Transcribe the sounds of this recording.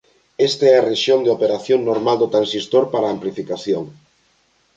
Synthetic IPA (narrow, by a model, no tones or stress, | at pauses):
est̪eɛareʃjond̪eopeɾaθjoŋnoɾmald̪ot̪ɾansist̪oɾpaɾaːmplifikaθjoŋ